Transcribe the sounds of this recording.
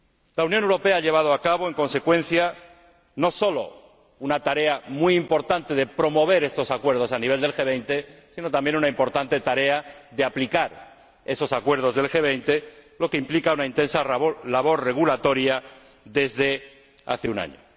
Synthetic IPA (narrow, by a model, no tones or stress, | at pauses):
launjonewɾo̞pe̞aaʎe̞β̞að̞oakaβo̞eŋko̞nse̞kwẽ̞nθja | no̞so̞lo̞̰ | unat̪aɾe̞amwuimpo̞ɾt̪ant̪e̞ðe̞pɾo̞mo̞β̞e̞ɾe̞st̪o̞sakwe̞ɾð̞osaniβe̞ld̪e̞lxe̞β̞e̞jnt̪e̞sino̞t̪ambje̞nunaimpo̞ɾt̪ant̪e̞t̪aɾe̞aðe̞aplikaɾ | e̞so̞sakwe̞ɾðo̞zðe̞lxe̞β̞ejnt̪e̞lo̞keimplikaunaint̪e̞nsalaβo̞ɾre̞ɣ̞ulat̪o̞ɾja | ðe̞zðe̞ | a̰θeuna̰ɲo̰